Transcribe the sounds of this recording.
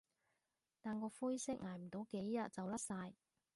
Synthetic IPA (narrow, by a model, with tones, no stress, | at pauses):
t̪aː˨nkɔː˧fuː˥jsɪ˥k̚ŋaː˨˩jm̩˨˩t̪o˨˥wke˨˥jːɐ˨t̚t͡sɐ˨wlɐ˥t̚saː˧j